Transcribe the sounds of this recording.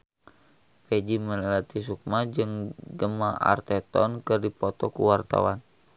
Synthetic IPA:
pɛd͡ʒiməlɛlat̪isuk̚mad͡ʒɨŋɡəmaa̰rt̪ɛt̪ɔnkɨrdipɔt̪ɔkṵwart̪a̰wan

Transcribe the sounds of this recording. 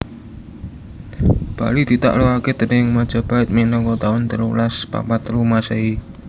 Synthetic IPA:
b̥a̰lid̪̥i̤t̪a̰ʔluaked̪̥ə̤nɪŋmad̥ʒ̥a̤b̥a̤ɪt̪̚minɔŋkɔt̪aʊnt̪əɾulaspa̰pat̪lumasei

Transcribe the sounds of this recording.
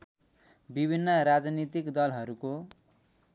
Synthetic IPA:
bibʱinːʌɾad͡znit̪ikd̪ʌlɦʌɾuko

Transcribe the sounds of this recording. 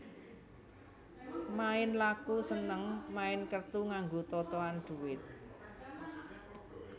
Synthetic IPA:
maɪnlakusənəŋmaɪnkərt̪uŋaŋɡot̪ɔt̪ɔanɖ̪̥ṳwɪt̪̚

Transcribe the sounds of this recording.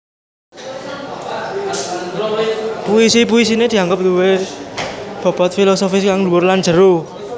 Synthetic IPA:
puisipuisined̪̥i̤aŋɡəp̚d̪uwe | b̥ɔ̤b̥ɔt̪̚filosofɪskaŋluwʊrland͡ʒə̤ɾu

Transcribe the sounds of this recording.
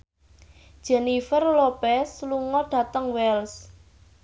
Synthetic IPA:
d̥ʒ̥ɛnifərlopɛsluŋɔɖ̥ä̤t̪əŋwɛls

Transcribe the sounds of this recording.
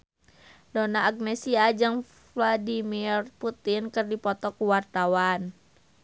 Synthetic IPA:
donaːɡ̚nɛsiad͡ʒɨŋ | fvladimirput̪inkɨrdipɔt̪ɔkuwart̪awan

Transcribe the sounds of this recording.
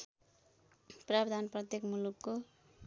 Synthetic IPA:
prabd̪ʱanprʌt̪jekmulukːo

